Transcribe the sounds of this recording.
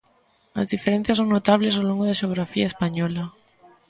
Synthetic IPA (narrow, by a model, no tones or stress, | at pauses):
a̰zðifeɾẽn̟θjasõŋnot̪aβlesawloŋɡoðaʃeoɣ̞ɾafiaespaɲɔlɐ